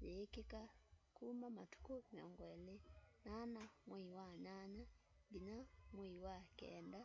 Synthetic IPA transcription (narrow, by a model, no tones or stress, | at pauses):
jɛkɛkakumamatu̥kɔmiɔŋɡwɛlɛnanamwɛiwaɲaɲadinamwɛiwakɛ̰nda